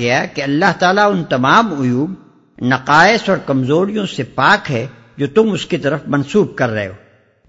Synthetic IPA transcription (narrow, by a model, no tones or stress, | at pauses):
ɐjakeɐlːaɦt̪aːlaʊnt̪ɐmaːmʊjuːb | nɐqaːɪsɔːɾkɐmzoːɾijõsepaːkɦɛ | d͡ʒoːt̪ʊmʊskit̪ɐɾəfmɐnsuːb̚kɐɾːɐɦeoː